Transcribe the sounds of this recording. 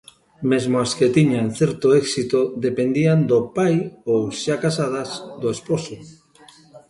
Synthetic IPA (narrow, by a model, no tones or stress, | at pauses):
mezmoasket̪iɲanθeɾt̪oɛksit̪oðepend̪iand̪opajowʃakasað̞asd̪oesposo